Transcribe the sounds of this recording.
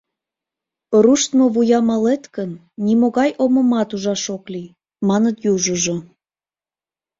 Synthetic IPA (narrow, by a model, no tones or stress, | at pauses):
ɾuʃt̪moβujɑmɑlet̪kənː | imoɣɑjʔoməmɑt̪uʒɑʃokli | mɑnət̪juʒuʒo